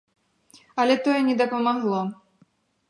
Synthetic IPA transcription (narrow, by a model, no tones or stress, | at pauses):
ɐlʲɛt̪ɔjɛnʲɛd̪ɐpɐmaɣlˠɔ